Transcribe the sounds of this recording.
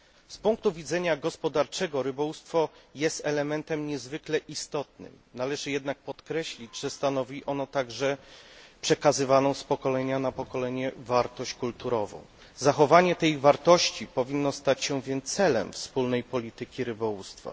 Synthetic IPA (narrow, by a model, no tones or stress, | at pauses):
spuŋk̚t̪uvʲid̪zɛɲaɡɔspɔd̪aɾt͡ʂɛɡɔɾɘbɔwust̪fɔjɛst̪ɛlɛmɛnt̪ɛmɲɛzvɘklɛʔist̪ɔt̪̚nɘ̰mnalɛʐɘjɛd̪nak̚pɔt̪kɾɛɕlʲid͡ʑʐɛst̪anɔvʲiʔɔnɔt̪aɡʐɛpʂɛkazɘvanɔ̃w̃spɔkɔlɛɲanapɔkɔlɛɲɛvaɾt̪ɔɕt͡ɕkult̪uɾɔvɔ̰̃w̃ | zaxɔvaɲɛt̪ɛjvaɾt̪ɔɕt͡ɕipɔvʲinːɔst̪at͡ɕɕɛvʲjɛnsɛlɛ̰mfspulnɛjpɔlʲit̪ɘkʲiɾɘbɔwust̪fa̰